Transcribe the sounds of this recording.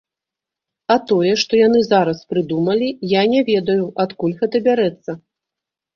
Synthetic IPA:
ɐt̪ɔjɛʂt̪ɔjanɨzaɾɐspɾɨd̪umɐlʲijanʲɛvʲɛd̪ɐjuʔat̪kulʲɣɛt̪ɐbʲaɾɛt̪sːɐ

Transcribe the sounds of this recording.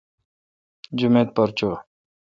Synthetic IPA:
d͡ʑumeːt̪̚pəɾt͡ɕo

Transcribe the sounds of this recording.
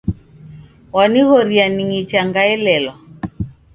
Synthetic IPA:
waniɣɔɾianiŋit͡ʃaŋɡaɛlɛlwa

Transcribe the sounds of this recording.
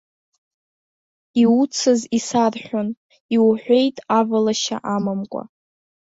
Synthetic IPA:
iut͡sʰɨzisarħʷᶣʊn | iwħʷe̞jtʼavalaʃa̰ʔamamkʷʼa̰

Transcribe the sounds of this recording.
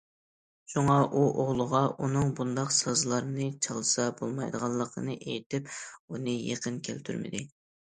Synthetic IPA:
ʃuŋɑʔuʔoʁlˠʊʁɑʔunɨŋbund̪ɑqsɑzlˠɑɾnɨt͡ʃʰɑlˠɨsɑbolˠmɑjd̪əʁɑlˠːəqʰənɨʔejt̪ɪpunɨjḛqʰənkʲʰælt̪ʰyɾmɪ̰d̪ɪ

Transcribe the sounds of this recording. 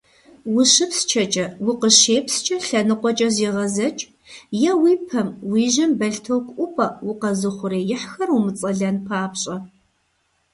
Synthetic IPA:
wʊɕɪpst͡ʃʰɐt͡ʃʼɐwʊqəɕeːpst͡ʃʼɐɬɐnɨqʷɔt͡ʃʼɐziːʁɐzɐt͡ʃʼ | jɛwiːpʰɐmwiːʒɐmbɐɬtʰowkʷʼʔʷʊpʼɐwʊqɐzɨχʷʊɾeːjɪħxɐrwʊmɨt͡sʼɐɮɐnpʰaːpɕʼɐ

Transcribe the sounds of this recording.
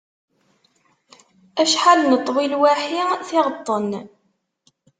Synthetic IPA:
æʃħalnət̪ˤːwilwaħiθɪʁət̪ˤːən

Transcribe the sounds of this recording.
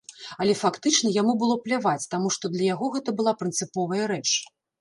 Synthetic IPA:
ɐlʲɛfakt̪ɨt͡ʂnɐjamubɨlˠɔplʲavat͡sʲt̪amuʂt̪ɔd̪lʲɐjaɣɔɣɛt̪ɐbɨlˠapɾɨnt̪sɨpɔvɐjɐɾɛt͡ʂ

